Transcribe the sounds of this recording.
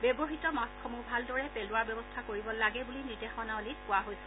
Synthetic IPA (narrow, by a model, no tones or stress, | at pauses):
bebɔɦitɔmaskʰɔmubʱaldɔɹɛpelʊaɹbjɔbɔstʰakoɹibɔlaɡɛbulinidexɔnaolikʊwaɦojsʊ